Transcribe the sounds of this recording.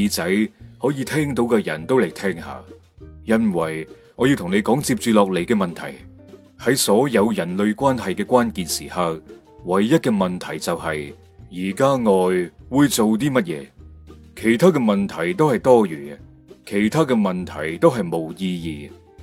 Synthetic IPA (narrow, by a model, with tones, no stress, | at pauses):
iː˧t͡sɐ˨˥jhɔː˨˥jiː˨˧t̪ʰɛː˥ŋt̪̬o˨˧˥wkɛː˧jɐ˨˩nt̪o˥wle˨˩jt̪ʰɛː˥ŋha̰ː˨˧ | jɐ˥nwɐ˨˩j | ŋɔː˨˧ji˧wt̪ʰʊ˨ŋne˨˧jkɔː˨˥ŋt͡siː˧p̚t͡ʃyː˨lɔː˨k̚le˨˩jkɛː˧mɐ˨nt̪ʰɐ̰˨˩j | hɐ˨˥jsɔː˨˥jɐ˨˧wjɐ˨˩nlɵ˨˧ɥkʷaː˥nɦɐ˨jkɛː˧kʷaː˥nkiː˨˧nsiː˨˩hɐ˨˧w | wɐ˨˩jːɐ˥t̚kɛː˧mɐ˨nt̪ʰɐ˨˩jt͡sɐ˨whɐ˨j | jiː˨˩kaː˥ŋɔː˨jwuː˨˧jt͡so˨wt̪̬iː˥mɐ˥t̚jɛ̰ː˨˧kʰe˨˩jt̪ʰaː˥kɛː˧mɐ˨nt̪ʰɐ˨˩jt̪o˥whɐ˨jt̪ɔː˥jyː˨˩ | kʰe˨˩jt̪ʰaː˥kɛ˧mɐ˨nt̪ʰɐ̰˨˩jt̪o˥wɦɐ˨jmo˨wjiː˧jiː˨